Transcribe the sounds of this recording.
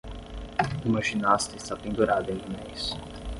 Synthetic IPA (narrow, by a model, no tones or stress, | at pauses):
imaʒinast̪ɛsapẽnd̪uɾad̪ɐẽk̪inejs